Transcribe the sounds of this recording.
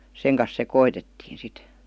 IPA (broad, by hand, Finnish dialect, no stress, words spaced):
seŋ kɑs sekoitetːiːn̞ sit